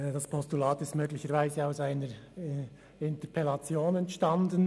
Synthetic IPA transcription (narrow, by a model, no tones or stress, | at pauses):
d̥ɑspʰɔstulɑːtɪstmøːɡlɪçəɾvaɪzəaʊsaɪnəɹ | ɪntəpʰɛlɑt͡sjoːnɛntʃtɑndən